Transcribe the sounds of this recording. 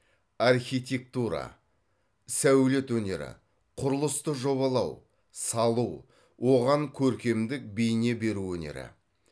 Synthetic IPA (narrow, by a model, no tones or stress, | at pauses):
arxijt̪ʲe̞k̚t̪uɾa̰ | sæwle̞t̪wɵne̞ɾɪ̰ | qʰʊɾəlˠəst̪əʒo̞βɑlˠɑw | sɑlˠu | wʔo̞ʁɑŋkʲʰɵɾkʲe̞md̪ɪk̚bejne̞be̞ɾuɵne̞̰ɾɪ̰